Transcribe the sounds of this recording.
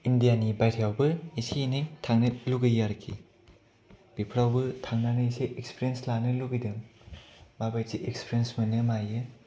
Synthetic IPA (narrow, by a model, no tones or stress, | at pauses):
indijanibajtʰjawbɯisinɯjtʰaŋnɯluɡɯjaɾɯkʰḭ | b̥ipʰɾawbɯtʰaŋnanɯiseʔekspʰiɾienslanɯluɡɯjdɯŋ | babajsiʔekspʰiɾiensmɐnɯmajɯ